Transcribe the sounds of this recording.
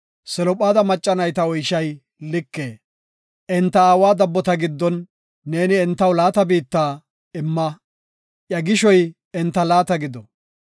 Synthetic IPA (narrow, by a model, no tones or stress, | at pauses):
sɛlɔpʼaːd̪ɐmɐt͡ʃʼːɐnɐjt̪ɐɔjʃɐj | lɪkːeː | ʔɛnt̪ːɐaːwaːd̪ɐbːɔt̪ɐɡɪd̪ːɔnː | e̞ːnɪɛnt̪ːɐwlaːt̪ɐbiːt̪ːaː | ɪmːɐ | ʔjɐɡɪʃɔj | ɛnt̪ːɐlaːt̪ɐɡɪd̪ɔ